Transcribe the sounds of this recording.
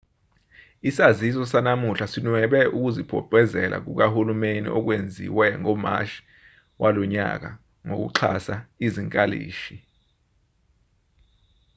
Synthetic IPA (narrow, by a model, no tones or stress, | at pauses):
isazis̬ɔsanamuɬasinwɛɓɛʔuk̬uzipʰɔ̰pʼɛzɛlʔa̰k̬uk̬ahulumenḭʔɔk̬wend͡zʱḭwɛŋɔma̰ʃi̥ | wʔalɔɲa̰k̬a | ŋok̬ṵǁʰa̰saiziŋkʼalḭːʃi